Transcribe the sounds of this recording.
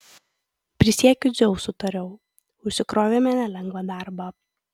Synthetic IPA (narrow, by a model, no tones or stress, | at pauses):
pʲɾʲɪsʲiɛkʲʊzʲɛʊsʊt̪ɐɾʲɛʊ | ʊʃʲsʲɪkɾoːʋʲemʲɛnʲɛlʲɛŋɡʋɐd̪ɑˑɾbɑː